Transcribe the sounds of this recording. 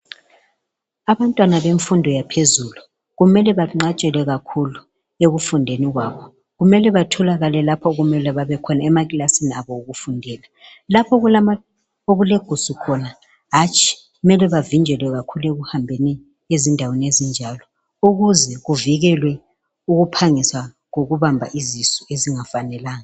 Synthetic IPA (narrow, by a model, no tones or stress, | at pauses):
aβantʼwanaβeɱfundʱɔjapʰezulu | ɣumɛlɛβaŋ͡ǀat͡ʃʼɛlɛɣakʰulu | eɣufundʱeniɣwaːβɔ | ɣumɛlɛβatʰɔlaɣalɛlapʰɔɣumɛlɛβaβɛkʰɔnaɛmaɣilasiniaβɔuɣufundʱɛːla | lapʰɔɣulama | oɣuleɡ̥ʱusukʰɔna | ɦat͡ʃʰʼi̥ | ɣumɛlɛβavind͡ʒʱɛlwɛɣakʰuleɣuhambʱeni | ezindʱawenezind͡ʒʱaːlɔ | uɣuzɛɣuviɣɛlwɛ | uɣupʰaŋiswa | ŋoɣuβambʱa̰ʔizisueziŋafanɛlaːŋa